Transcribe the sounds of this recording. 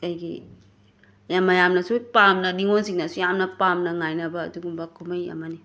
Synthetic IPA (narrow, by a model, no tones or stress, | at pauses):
ɐjɡḭ | jamɐjamnɐsupamnɐniŋonsiŋnɐsujamnɐpamnɐŋajnɐbɐ̰ːduɡumbɐkʰumɐjɐ̰mɐni